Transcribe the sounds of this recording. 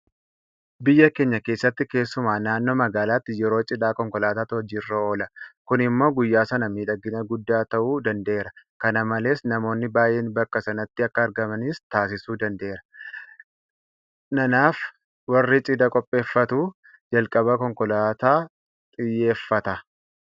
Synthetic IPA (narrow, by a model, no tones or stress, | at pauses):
bɪjːɐkeːɲːɐke̞ːsːɐt̪ːɪke̞ːsːʊmaːnaːnːoːmɐɡaːlaːt̪ːɪjɛɾo̞ːt͡ʃʼɪd̪aːkɔŋkɔlaːt̪aːt̪ɪɔd͡ʒiːrːɐo̞ːlɐkʊnɪmːo̞ːɡʊjːaːsɐnɐmiːᶑɐɡːɪnɐɡʊd̪ːaːt̪ɐʔuːd̪ɐnd̪ɐeːɾɐkɐnɐmɐle̞ːsnɐmo̞ːnːɪbaːje̞ːnbɐkːɐsɐnɐt̪ːɪɐkːɐːɾɡɐmɐnɪst̪aːs̬ɪsuːd̪ɐnd̪eːɾɐ̥ | nɐnaːf | wɐrːit͡ʃʼɪd̪ɐkʼɔpʼːe̞ːfːɐt̪uː | d͡ʒɐlkʼɐbɐkɔŋkɔlaːt̪aː | t̪ʼɪjːe̞ːfːɐt̪ɐ